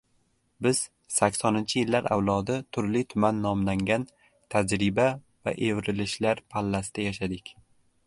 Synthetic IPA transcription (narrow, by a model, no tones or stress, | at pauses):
bɪz̥ | sakʲsɒnɪnt͡ʃʰɪjɪlːaɾʔa̰wlˠɒd̪ɪt̪ʰʊɾlit̪ʰʊmanːɒmlaŋɡʲan | t̪ʰad͡ʒɾɪba | va̰ʔevɾɪlɪʃlaɾpʰalːasɪd̪̥ajaʃad̪ɪkʲ